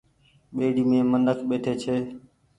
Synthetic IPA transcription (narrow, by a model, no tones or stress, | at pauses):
ɓeːɖiːmẽːmənəkʰɓeːʈ̪ʰeːt͡ʃʰeː